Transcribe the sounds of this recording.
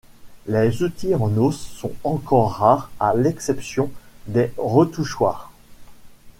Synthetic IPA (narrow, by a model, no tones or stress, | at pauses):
lezut̪iɑ̃nosːɔ̰̃ɑ̃kɔʁːaːʁalɛksɛpsjɔ̃d̪eʁət̪uʃwaːʁ